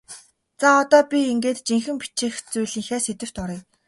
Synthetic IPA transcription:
t͡saɔt̪ɔːpʲieŋɡeːt̪t͡ɕiŋxɘ̆mpi̥t͡ɕeːxt͡sujɮiːŋxæːset̪ɘ̆r̥t̪ɔɾĭj

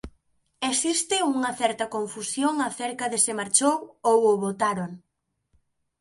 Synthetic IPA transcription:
esist̪ɪuŋɐθɛɾt̪ɐkoɱfusjoŋaθeɾkɐðesɪmaɾt͡ʃowowʊβot̪aɾoŋ

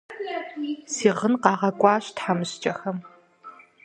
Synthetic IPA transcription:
siːʁənqɑːʁɐkʷʼɑːɕtħamɨɕt͡ʃʼɐxɐm

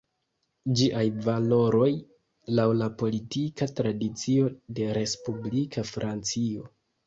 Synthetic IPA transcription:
d͡ʒiʔajvalo̞ɾo̞j | lawlapo̞litikatɾadit͡sio̞de̞ɾe̞spublikʰafɾʔant͡sio̞

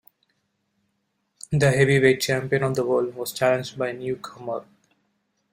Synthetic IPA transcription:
d̪əɦɛʋiʋeːt͡ʃæ̃mpiə̃nɔʋd̪əʋolʋɔːz̥t͡ʃælə̃nd͡ʒɖ̚baɪnjuːkʰʌməɾ

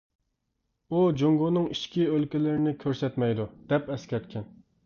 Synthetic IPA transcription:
ud͡ʒoŋɡonɨŋiʃkʲiølkʲilɪɾɪnɪkʲʰøɾsɛt̪mɛjd̪ud̪̥ɛpɛskʲɛɾt̪kʲʰɛn

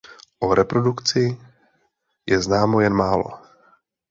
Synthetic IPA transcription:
ʔoɾɛpɾodukt͡sɪ | jʔɛznaːmojɛnmaːlo̰

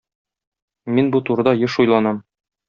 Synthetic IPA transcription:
minbut̪uɾɤ̆d̪ɑjɤʃujlˠɑnɑm

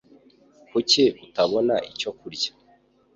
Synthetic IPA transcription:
kuceβutaβo̞naʔico̞kuɾɟḁ

